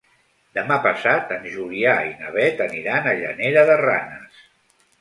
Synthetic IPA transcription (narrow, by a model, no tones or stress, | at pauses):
d̪əmapəsat̪ənʒuliaina̰βɛt̪əniɾanəʒə̰neɾəðəra̰nəs